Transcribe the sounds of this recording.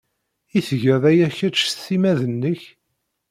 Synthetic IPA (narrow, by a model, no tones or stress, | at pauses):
iθʝəðˤæjæçæt͡ʃːθimæðənːəç